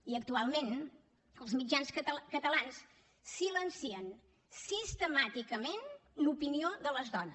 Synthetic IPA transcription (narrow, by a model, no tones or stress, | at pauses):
iək̚t̪ualˠmẽn | əlˠzmid͡ʒanskət̪əlans | silənsiən | sist̪əmat̪ikəmenlupinioðələzðɔnə